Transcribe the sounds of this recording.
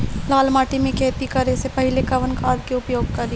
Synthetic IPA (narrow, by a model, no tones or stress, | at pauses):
laːlmaːʈimẽkʰeːt̪ikɐɾesepɐɦɪlekɐʋənkaːɾkeʊpjoːɡ̚kɐɾi